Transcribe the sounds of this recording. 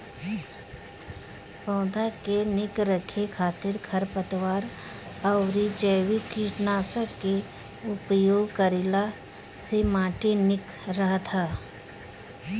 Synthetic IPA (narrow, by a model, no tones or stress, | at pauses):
pɔ̃ːd̪ʱakenɪkɾəkʰekʰaːt̪ɪɾkʰɐɾpət̪waːɾ | əʊɾid͡ʒəːwikiːʈnaːsəke | ʊpjoːɡkəɾɪla | semãːʈenɪk | ɾəɦt̪ʰaː